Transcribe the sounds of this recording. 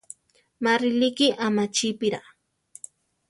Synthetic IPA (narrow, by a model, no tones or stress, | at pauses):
maɾɪlikɪʔamat͡ʃipɪɾa̰